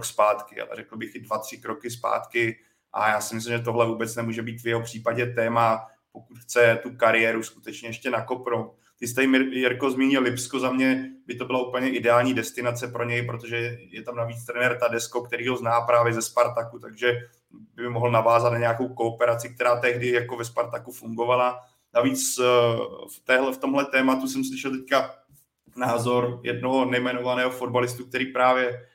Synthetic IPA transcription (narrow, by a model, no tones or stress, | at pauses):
kspaːt̪kɪa̰lɛ̰ɾɛkl̩bɪxɪdvat̪r̝̥ɪkɾokɪspa̰ːt̪kɪ | ʔa̰jaːsɪmɪs̬lɪmʒɛt̪o̞ɦlɛvuːbɛt͡snɛmuːʒɛbiːt̪vjɛɦo̞pr̝̥iːpaɟɛt̪ɛːma | po̞kut̪xt͡sɛt̪ukaɾɪjɛːɾuskut̪ɛt͡ʃɲɛjɛʃcɛnako̞pnowt̪̚ | t̪ɪs̬t̪ɛjɪmjɛɾko̞zmiːɲɪlɪpsko̞zamɲɛbɪt̪o̞bɪlaupl̩ɲɛʔɪdɛaːlɲiːdɛst̪ɪnat͡sɛpɾo̞ɲɛjpɾot̪o̞ʒɛjɛt̪amnaviːt͡st̪ɾɛnɛɾt̪adɛskokt̪ɛɾiːɦo̞znaːpɾaːvjɛzɛspaɾt̪akut̪aɡʒɛ | bɪmɪmoɦl̩navaːzat̪naɲɛako̞wko̞ːpɛɾat͡sɪk̚t̪ɛɾaːt̪ɛɦdɪjako̞vɛspaɾt̪akufuŋɡo̞vala | naviːt͡s | ft̪ɛːɦlɛft̪o̞mɦlɛt̪ɛːmat̪usɛmslɪʃɛlt̪ɛcka | naːzoɾjɛ̰d̚no̞ɦonɛjmɛno̞vanɛːɦofo̞dbalɪst̪uk̚t̪ɛɾiːpɾaːvjɛ